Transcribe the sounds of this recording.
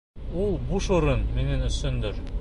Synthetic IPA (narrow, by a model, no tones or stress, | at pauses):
ulˠbuʃŏɾɤnminænɵ̆sɵ̆nd̪ɘɾ